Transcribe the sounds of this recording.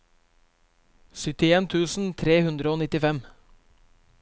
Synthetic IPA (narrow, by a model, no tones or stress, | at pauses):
sʏt̪ɪeːnt̪ʰʉːsn̩t̪ʰɾeːhʉnd̪ɾəoːnɪt̪ɪfɛm